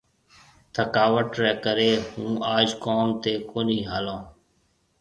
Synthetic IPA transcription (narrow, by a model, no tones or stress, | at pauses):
t̪ʰəkaːʋəʈɾɛːkəɾeːhũːaːd͡ʒkoːmt̪eːkoːniːɦaːlõː